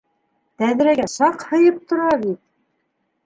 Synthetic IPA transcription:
t̪æðɾæɡæʃɑqhɤ̆jɤp̚t̪ŏɾɑβit̪̚

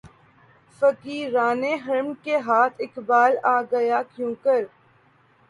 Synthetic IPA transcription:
fəkiːɾaːneɦɐɾmkeɦaːt̪ʰɪkbaːlaːɡɐjakjũːkəɾ

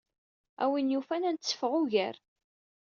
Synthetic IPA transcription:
æ̰winjufænænt̪t͡sːə̥fəʁʊʝæɾ

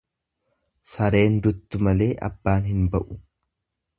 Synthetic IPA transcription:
sɐɾe̞ːnd̪ʊt̪ːʊmɐle̞ːʔɐ̰bːaːnɦɪnbɐʔʊ

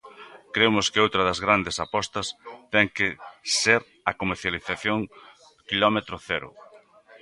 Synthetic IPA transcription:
kɾemʊskɪowt̪ɾɐðɐzɣɾand̪esapɔst̪ɐst̪ɛŋkɪseɾ | ɐkomeɾθjaliθaθjoŋ | kilɔmet̪ɾʊθɛɾʊ̰

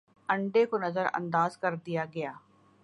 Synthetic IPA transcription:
əɳɖeːkonəzəɾə̰̃nd̪aːzkəɾd̪ɪjaːɡɪjaː

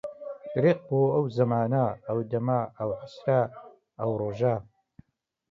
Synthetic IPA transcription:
ɾiq̚boɐwzɐmaːnaːwdɐmaawħasra | awroːʒaː

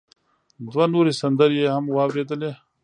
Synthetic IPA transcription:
d̪wɐnuːɾisɐnd̪əɾjeɦɐmwaːbɾeːd̪əle

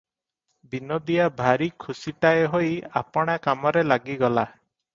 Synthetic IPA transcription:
binod̪iabʱaɾikʰusiʈaeɦoja̰pɔɽ̃akamɔɾelaɡiɡɔla

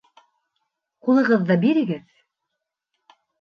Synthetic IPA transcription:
qulˠɤ̆ʁɤðːɑbiɾɘ̆ɡɘð

